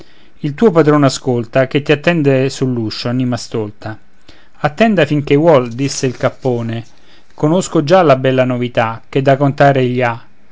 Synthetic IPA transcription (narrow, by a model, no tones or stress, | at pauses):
ilt̪uːopad̪ɾonaskolt̪ak̟et̪ːiat̪ːɛnd̪esulːuʃːoanimast̪olt̪a | at̪ːɛnd̪afiŋk̟ewɔld̪isːeilkapːoːne | konoskod͡ʒalabɛlːanovit̪ak̟ed̪ːakont̪aːɾeʎːa